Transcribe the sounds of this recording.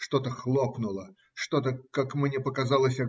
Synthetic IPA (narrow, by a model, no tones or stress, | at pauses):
ʂt̪o̞t̪əxlˠo̞pnʊlˠə | ʂt̪o̞t̪əkakmnʲepəkɐzɑlˠəsʲa